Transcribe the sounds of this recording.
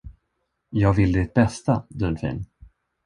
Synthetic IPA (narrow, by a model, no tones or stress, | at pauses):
jɑːɡvɪlːəd̪ɪt̪̚bɛst̪ad̪ɵnfḭːn